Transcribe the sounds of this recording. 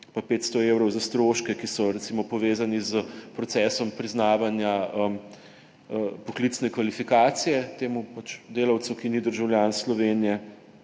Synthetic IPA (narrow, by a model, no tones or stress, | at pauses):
papeːt̪st̪ɔeːwɾɔwzast̪ɾoːʃkɛkisɔɾɛt̪siːmɔpɔʋeːzanizəpɾɔt̪sɛːsɔmpɾiznaːʋanjaəm | əpɔklit̪snɛkʋalifikaːt̪sijɛt̪eːmupat͡ʃd̪eːlɐwt̪sukinid̪əɾʒawljaːnslɔʋeːnijɛ